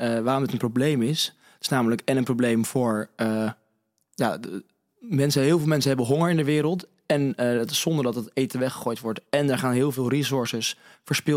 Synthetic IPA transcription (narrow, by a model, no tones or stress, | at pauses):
ʋaːɾɔmətənproblejmɪs | tɪsnaːmələkɛnənprowblejmvʊːɹə | jaː | mɛnsəɦɪːlˠvɪːlˠmɛnsənɦɛbənɦʊŋəɹɪndəʋɪːɾəlˠt | ɛnətɪ̥sɔndəɹdɑtətejtənʋɛχə̥χoːjtʋɔɹtɛnɛɹχaːnɦɪːlˠvɪːlˠrisʊɹsəsfəɹspɪ